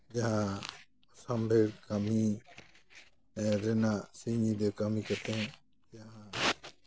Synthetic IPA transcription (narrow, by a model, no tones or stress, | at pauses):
d͡ʒaɦã | ɔsambɛɾkami | ɾɛnaʔsiɲid̪ɔkamikat̪ɛ̃ɲ | d͡ʒaɦã